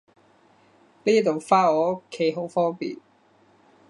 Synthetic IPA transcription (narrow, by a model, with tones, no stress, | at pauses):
liː˥t̪o˨wfaː˥ɔː˨˥o˥kʰːe˨˥jɦo˨˥wfɔː˥ŋpḭː˨˩n